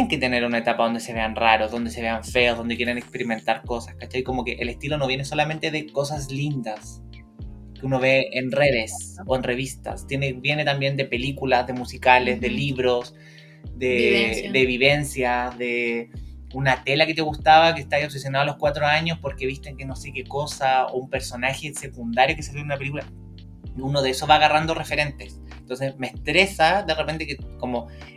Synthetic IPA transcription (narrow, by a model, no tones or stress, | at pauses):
eŋket̪e̞ne̞ɾunaet̪apaðo̞nd̪ese̞βe̞anraɾo̞zðo̞nd̪eseβeaɱfe̞o̞zðond̪ekjeɾenekspe̞ɾime̞nt̪aɾko̞sḁskat͡ʃajko̞mo̞keʔelest̪ilo̞no̞βje̞ne̞so̞lament̪e̞ðeko̞s̬aslind̪as | keuno̞βe̞enre̞ðe̞so̞enre̞βist̪a̰st̪jenebje̞net̪ambje̞nd̪epe̞likulasðe̞musikalezðe̞liβɾos | d̪ed̪eβiβe̞nsjaðe | unat̪elaket̪eɣust̪aβakest̪aiops̬esjo̞naðoaloskwat̪ɾoaɲospoɾkeβist̪eŋkeno̞se̞keko̞sao̰umpeɾso̞naxese̞kund̪aɾjo̞kesesonunapelikula | iunoðeesoβaɣarand̪orefeɾe̞nt̪e̞s | ent̪o̞ns̬esmest̪ɾesaðerepe̞nt̪ekekomo̞